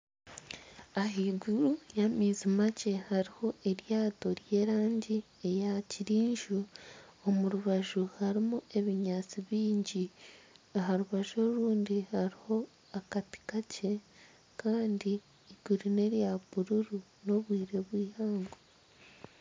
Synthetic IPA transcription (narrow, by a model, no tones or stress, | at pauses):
aɦiɡuɾujamizimace̞haɾiho̞ʔeɾjaːto̞ɾje̞ːɾaːɲɟi | e̞jaciɾiːɲʒuomuɾuβaʒuhaɾimue̞βiɲaːt͡siβiːɲɟi | aɦaɾuβaʒo̞ɾuːndihaɾiho̞ | akati̥kace̞ | kaːndiː | ɡ̥uɾune̞ɾjaβuɾuɾu | no̞βwiːɾe̞βwiːhaːŋɡo